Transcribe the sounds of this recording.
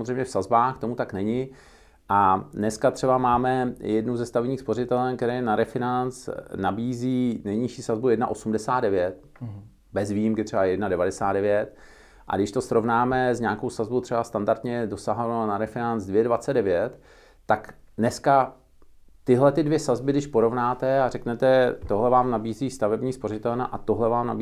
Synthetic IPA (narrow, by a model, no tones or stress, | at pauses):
mozrejmɲɛfsazbaːxt̪o̞mut̪aknɛɲɪ | ʔanɛskat̪r̥ɛbamaːmɛjɛdnuzɛst̪avɛɲiːxspo̞rɪt̪ɛlɛnkt̪ɛɾɛːjɛnaɾɛfɪnant͡snabiːziːnɛjɲɪʃiːsazbujɛdnaʔo̞sumdɛsaːd̪dɛvjɛt̪ | bɛzvijimkɪt̪r̥ɛbajɛdnadɛvadɛsaːd̪dɛvjɛt̪ | ʔa̰ɡdɪʃt̪o̞sɾo̞vnaːmɛzɲaːkowsazbowt̪r̝ɛbast̪andaɾt̪ɲɛdo̞saɦlɛnonaɾɛfɪnant͡sdvjɛdvat͡sɛddɛvjɛt̪ː | aknɛska | t̪ɪɦlɛt̪ɪdvjɛsazbɪɡdɪʃpo̞ɾo̞vnaːt̪ɛarɛknɛt̪ɛt̪o̞ɦlɛvaːmnabiːziːst̪avɛbɲiːspo̞ɾ̝ɪt̪ɛlnaʔat̪oɦlɛvaːmnabi